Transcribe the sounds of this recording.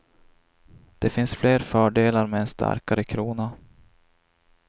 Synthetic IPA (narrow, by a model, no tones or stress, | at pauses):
d̪̥ɛfɪnsfleːɾfœːɖeːlaɾmɛɛnst̪ʰa̰ɾkaɾəkʰɾuːna